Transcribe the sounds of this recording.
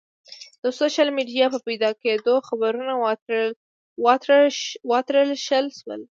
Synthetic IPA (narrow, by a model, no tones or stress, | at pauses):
d̪̥əsoʃalmiɖijɑpəpajd̪ɑked̪oxabaɾuna | wɑ | wɑt̪ɾəlʃəlʃwə̰l